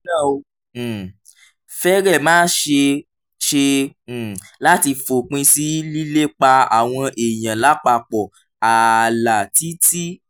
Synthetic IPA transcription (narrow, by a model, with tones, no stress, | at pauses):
nã˦˨o˧˨ | fɛ˦ɾɛ˦˨mãː˦ʃe˧ | ʃe˧˨ | la˦ti˧fo˨k͡pĩ˧si˨˦li˦le˦k͡pa˧a̰˨w̃ɔ̃˧ʔe˨j̃ã˨la˨˦k͡pa˧˨k͡pɔ˨ | a˨la˨ti˨˦ti˦